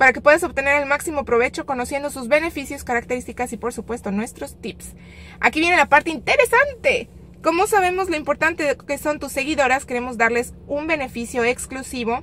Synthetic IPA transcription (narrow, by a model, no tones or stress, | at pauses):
paɾake̞pwe̞ðaso̞βt̪e̞ne̞ɾelmaksimo̞pɾo̞β̞e̞t͡ʃo̞ko̞no̞sje̞nd̪osuzβe̞ne̞fisjo̞skaɾakt̪e̞ɾist̪ikasipo̞ɾsupwe̞st̪o̞nwe̞st̪ɾo̞st̪ips | a̰kiβjene̞lapaɾt̪eint̪e̞ɾesant̪e̞ | ko̞mo̞saβ̞e̞mo̞zloimpo̞ɾt̪ant̪ekeso̞nt̪usːe̞ɣiðo̞ɾaske̞ɾe̞mo̞zðaɾle̞sumbe̞ne̞fisjo̞eksklusiβo̞